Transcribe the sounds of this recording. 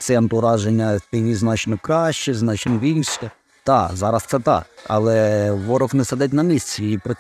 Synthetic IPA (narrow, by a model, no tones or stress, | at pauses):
t̪sɛnt̪ʊɾɑʒenʲːɐpʲinʲiznɑt͡ʃnɔkɾɑʃt͡ʃɛznɑt͡ʃnɔʋʲilʲʃɛ | d̪̥ɑzɑɾɐst̪ɛt̪ɑ̰kɐ̰lˠɛʋɔɾɔwnɛsɛd̪ɪt̬ʲnɐmʲisʲt͡sʲɛipɾɐ